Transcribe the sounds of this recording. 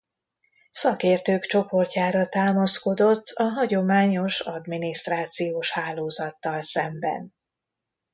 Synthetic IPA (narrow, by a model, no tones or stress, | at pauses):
sɒkeːrt̪øːkt͡ʃo̞po̞rcaːɾɒt̪aːmɒsko̞d̪o̞t̪ʰːɒɦɒɟo̞maːɲo̞ʃɒd̪miniʃt̪raːt̪sijoːʃhaːloːzɒt̪ːɒlsɛmbɛ̰n